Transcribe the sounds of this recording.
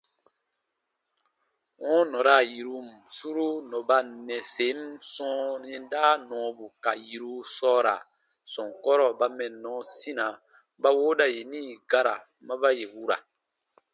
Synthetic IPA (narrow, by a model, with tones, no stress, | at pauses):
wɔ̃˦nɔ̃˨ɾa˨ji˨ɾu˦m˨su˦ɾu˦nɔ̃˨ba˦nɛ̃˨se˨˦msɔ̃˦ɛ̃˦daː˦nɔ̃˨˦bu˨ka˨ji˨ɾu˦sɔː˦ɾa̰˨ | sɔ̃˨ŋkɔ˦ɾɔ˦ba˦mɛ̃˨nːɔ̃˨˦si˦nã˨ | ba˦wo˦da˨je˨nĩː˦˨ɡa˦ɾa̰˨ | mã˦ba˦je˨wu˦ɾa̰˨